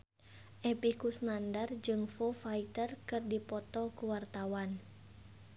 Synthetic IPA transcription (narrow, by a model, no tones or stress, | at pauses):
ʔɛpikusnandard͡ʒɨŋfofait̪ərkɨrdipɔt̪ɔkuwart̪awan